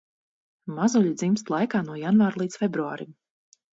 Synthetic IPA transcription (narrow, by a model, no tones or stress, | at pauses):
mazuʎʲid̪zimst̪lˠajkaːnuɔjanvaːɾlˠiːt̪sfʲebɾuaːɾim